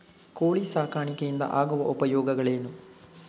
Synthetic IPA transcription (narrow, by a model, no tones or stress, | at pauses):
koːɭisaːkaːɳikɐjind̪ɐ̰ʔaːɡuʋɐʔupɐjɔːɡɐɡɐɭeːnu